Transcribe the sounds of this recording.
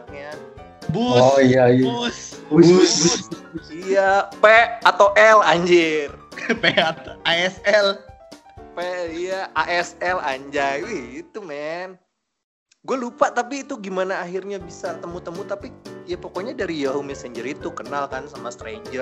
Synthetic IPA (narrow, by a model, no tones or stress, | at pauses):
ɲa | buɔijajusbs | ijapeat̪awʔɛlaɲd͡ʒɪrpeat̪aɛsɛl | peijaʔaʔɛsɛla̰ɲd͡ʒaiit̪umɛn | ɡualupat̪apiːt̪uɡimanaːhirɲabisat̪əmut̪əmut̪apijapokoɲadaɾijaɦumɛsɛɲd͡ʒəɾit̪ukənalkansamast̪ɾeɲd͡ʒər